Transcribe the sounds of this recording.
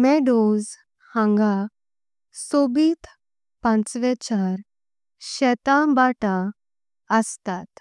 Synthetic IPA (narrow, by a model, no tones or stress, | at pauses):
mɛɖoz | hãŋɡa | sobiːt̪ʰ | pãt͡sʋɛt͡ɕaɾ | ɕɛt̪ãbaʈa | əst̪at̪